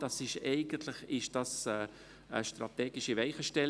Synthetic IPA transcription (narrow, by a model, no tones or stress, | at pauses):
d̥ɑsɪʃɛɪɡ̥ənt̪lɪχɪʃd̥ɑsɛ | ə̰ʃtrɑ̰t̪ɛːɡɪʃivɛɪχəʃtɛl